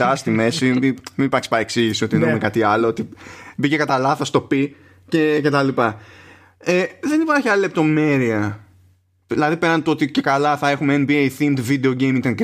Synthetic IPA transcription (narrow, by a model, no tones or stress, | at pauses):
ɐst̪ime̞simiminipɐkspɐeksiʝisio̞t̪ieneumekɐt̪iɐloot̪ibicekɐt̪ɐlɐθɐst̪o̞pi | ce̞ce̞t̪ɐlipɐ | eðe̞nipɐɾçiɐlile̞p̚t̪o̞me̞ɾiɐ | ilɐðipe̞ɾnɐnet̪oo̞t̪ice̞kɐlɐθɐe̞xumeenbiejθind̪vid̪e̞o̞ɟe̞jmit̪ɐn